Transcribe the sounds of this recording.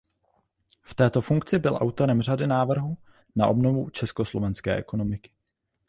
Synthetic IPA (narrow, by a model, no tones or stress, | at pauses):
ft̪ɛːt̪o̞fuŋk̚t͡sɪbɪlʔa̰wt̪o̞ɾɛmr̝adɪnaːvr̩ɦu | na̰ʔo̞bnovut͡ʃɛskoslovɛnskɛ̰ːʔɛko̞no̞mɪkɪ̥